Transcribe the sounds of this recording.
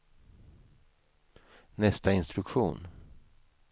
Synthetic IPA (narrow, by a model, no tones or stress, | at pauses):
nɛst̪aɪnst̪ɾɵkɧṵːn